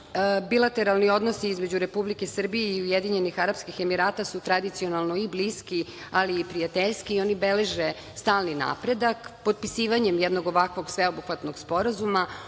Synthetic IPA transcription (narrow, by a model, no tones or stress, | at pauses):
bilˠat̪e̞ɾalˠnio̞d̪no̞siizme̞d͡ʑuɾe̞publike̞sr̩bijeiujed̪iɲe̞nixaɾapskixe̞miɾaːt̪asut̪ɾad̪it̪sio̞nalno̞ibliski | aliːpɾijat̪eʎskio̞nibele̞ʒe | st̪aːlˠnina̰ːpɾe̞d̪akpod̪̚pisiːʋaɲemjɛd̪no̞ɡo̞ʋakʋo̞ɡsʋeobuxʋat̪no̞ɡspo̞ɾazuma